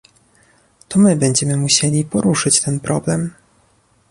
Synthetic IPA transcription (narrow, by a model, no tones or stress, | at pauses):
t̪ɔmɘbɛɲd͡ʑɛmɘmuɕelʲipɔɾuʂɘt͡ɕt̪ɛnpɾʔɔblɛm